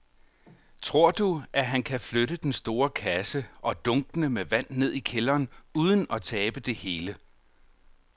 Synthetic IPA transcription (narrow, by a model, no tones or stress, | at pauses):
t͡sʰʁo̝ɐ̰d̥uæɦænkʰæfløɾəd̥ensd̥o̝ːɐkʰæsəʔɒ̽d̥ɔ̽ŋɡ̥ənəmeʋæn̰ːe̝ð̞̰ˠikʰelɐːnuːð̞ˠən̩ɒ̽t͡sʰɛːb̥əd̥e̝he̝ːlə